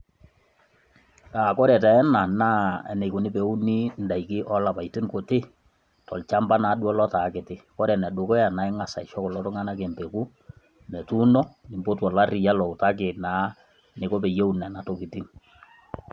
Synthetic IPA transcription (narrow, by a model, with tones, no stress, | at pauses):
taː˨kɔ˦ɾɛ˨tɛ˨ɛ˦na˨naː˦ɛ̰˨ne˨kʊ˨nɪ˦pe˨u˦ni˦nda˨ikɪ˦ʔɔ˦la˨pa˨jtɪ˦ŋko˨tɪ˦ | tɔ˨lt͡ʃa˦mba˦na˨˦ɗwɔ˦lɔ˦ta˨˦kɪ˨tɪ˦kɔ˦ɾɛ˨nɛ˨ɗʊ˨kɔ˦ja˨na˨ɪ˦ŋa˨sa˨ʃɔ˦kɔ˨lɔ˦tʊ˦ŋa˦na˦ke˨mpe˨ku˦ | mɛ˨tu˦nɔ˦nɪ˨mbo˦twɔ˨la˦rɪ˨ja˦lɔ˨ʊ˨ta˦k̬ɪ˨na˨˦ | nɪ˨ko˦pɛ˨je˦u˦nɛ˨na˨to˨kɪ˨tɪ˦ŋ